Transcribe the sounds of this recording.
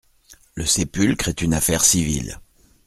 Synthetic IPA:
ləsepylkχɛt̪ynafɛʁsivḭl

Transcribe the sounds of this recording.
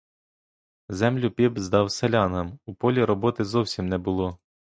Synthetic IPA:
zɛmlʲʊpʲibzd̪ɑwselʲɑnɐmupɔlʲiɾɔbɔt̪ɪzɔwsʲimnɛbʊlˠɔ

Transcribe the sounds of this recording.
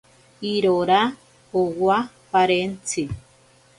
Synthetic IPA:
iɾoɾa | owa | paɾent͡si

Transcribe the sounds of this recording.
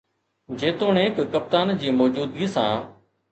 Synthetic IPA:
d͡ʑeːt̪oːɳẽːkkəp̚t̪aːnd͡ʑiːmɔːd͡ʒuːd̪ɡiːsã̰ː

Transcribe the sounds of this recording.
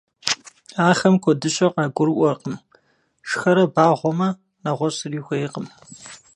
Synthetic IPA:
aːχɐmkʷʰɔdɨɕʼɐqɑːɡʷʊrʔʷɔrqəm | ʂxɐɾɐbaːʁʷɔmɐ | naʁʷɔsɨriːxʷɐɪqəm

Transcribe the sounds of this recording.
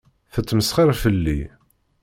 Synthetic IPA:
θət͡sːməsχiɾˤfəlːḭ

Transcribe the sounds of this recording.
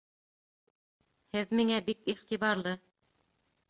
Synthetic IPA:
hɘðmiŋæbikiχt̪iβɑɾlˠɤ

